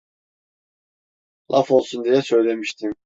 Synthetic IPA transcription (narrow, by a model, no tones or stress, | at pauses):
lˠʔafo̞lˠsund̪ijɛsø̞jlʲe̞miʃt̪ʰim